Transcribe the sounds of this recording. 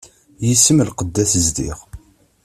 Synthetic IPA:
jisəmlqəd̪ːæθəzd̪ḭʁ

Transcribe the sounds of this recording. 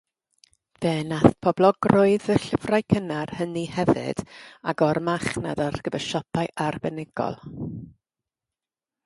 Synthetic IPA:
v̥ɛːnaθpʰɔblˠɔɡroɨðəɬəvrajkʰənarhənihɛvɪ̰d̥aɡɔrmaχna̰darɡ̥əvəʃɔpʰaɨʔarbɛnɪɡ̥ɔ̰lˠ

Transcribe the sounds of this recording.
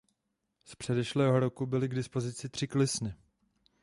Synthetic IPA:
spr̥ɛdɛʃlɛːɦo̞ɾo̞kubɪlɪɡdɪspo̞zɪt͡sɪt̪r̥ɪklɪsnɪ

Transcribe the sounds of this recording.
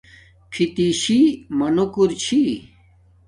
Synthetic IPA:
pʰit̪iɕimɐnukuɾt͡ɕʰi

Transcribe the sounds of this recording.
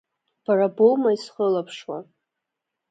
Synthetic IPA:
b̥arabolmaisχəlapʰʂwa̰

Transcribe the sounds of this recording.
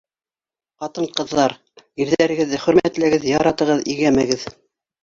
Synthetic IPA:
qɑt̪ɤɴqɤ̆ðːɑɾ | iɾðæɾɘ̆ɡɘ̆ðːɘχɵ̆ɾmæt̪lɘ̆ɡɘðjɑɾɑt̪ɤ̆ʁɤðḭɡæmæɡɘð

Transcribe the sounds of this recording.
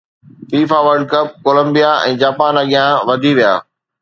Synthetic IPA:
fiːfaʋəɾɖ̚kɐp̚koːlə̃mbijaɛ̰̃ːd͡ʑaːpaːnaɠijãʋɐd̪ʱiʋija̰ː

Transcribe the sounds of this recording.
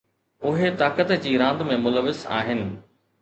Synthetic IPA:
ʊɦet̪aːkət̪d͡ʑiːɾãːnd̪mẽmʊləʋɪza̰ːɦɪnɪ̆

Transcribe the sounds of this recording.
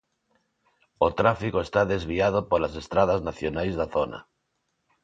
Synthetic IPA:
ot̪ɾafikoest̪aðezβ̞iað̞opolasest̪ɾað̞aznaθjonajzðaθona̰

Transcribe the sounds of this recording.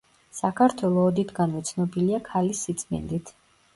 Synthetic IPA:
sakʰaɾt̪ʰwɛlˠɔːd̪it̪ʰɡanvɛt̪sʰnɔbiliakʰalisːit̪sʼmɛ̰nd̪it̪ʰ

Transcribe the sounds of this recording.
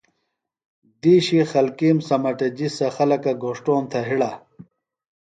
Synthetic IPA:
d̪iːɕixɐlkiːmsɐmɐʈɐd͡ʑisɐxɐlɐkɐɡoʂʈoːnt̪ʰɐɦiɽa

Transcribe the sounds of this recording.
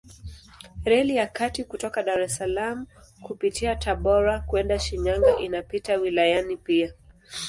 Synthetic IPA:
ɾɛlijakatikutɔkaɗaɾɛsalamu | kupitiataɓɔɾakuɛndaʃiɲaŋɡaʔinapitawilajanipia

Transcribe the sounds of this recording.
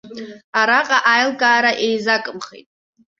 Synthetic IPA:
aɾaqʼaʔajlɡaːɾaʔejzakʼɨmχḛtʼ

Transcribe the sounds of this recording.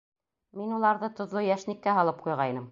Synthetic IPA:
minulˠɑɾðɤt̪ŏðlˠojæʃnikːæɦɑlˠɤp̚qujʁɑjnɤm

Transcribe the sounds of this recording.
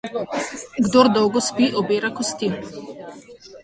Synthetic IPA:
ɡd̪oɾd̪ɔwɡɔspiʔɔbeːɾakɔst̪i

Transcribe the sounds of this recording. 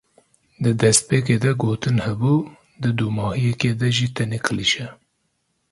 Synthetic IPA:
d̪ɨd̪ɛst̪̚peːk̬eːd̪ɛɡoːt̪ɨnhɛbuː | d̪ɨd̪umɑːhijɛkeːd̪ɛʒit̪ʰɛnekʰɨliʃɛ

